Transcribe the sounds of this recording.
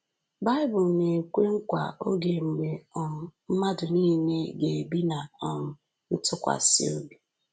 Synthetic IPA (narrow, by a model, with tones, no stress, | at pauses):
ba˦ɪ˦bʊ˨lne˨kʷe˦ŋ̩˦kʷa̰˨o˦ɡe˨ŋ͡m̩˨ɡ͡be˨ɔ˨m˨m̩˦ma˦dʊ˨niː˦ne˦ɡe˨bi˦na˨ɔ˨m̩˨ | n̩˦tʊ˦kʷa̰˨sḭ˦o˦bi˨